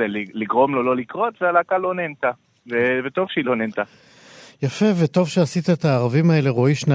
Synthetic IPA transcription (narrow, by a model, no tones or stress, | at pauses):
eliliɡʁo̞mlolo̞likʁot̪vealakalonent̪a | vevet̪o̞vʃilonent̪a | jafe̞vet̪o̞vʃeasit̪aet̪aːʁavimae̞le̞ʁo̞iʃna